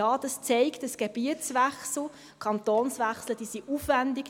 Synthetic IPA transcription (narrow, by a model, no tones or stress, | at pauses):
ɑːd̥ɑst͡seɪktəsɡ̥eb̥iət͡sʋæχsl̩ | kʰɑntoːnsʋæχsləd̥iːsiʔufʋændɪk